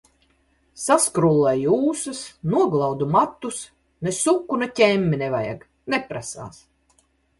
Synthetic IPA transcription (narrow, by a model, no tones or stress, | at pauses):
saskɾulˠːajjuːsɨsnuɔɡlˠawd̪umat̪ːus | nesukːunecʲɛmʲːinɛvaja̰ɡ | nepɾasa̰ːs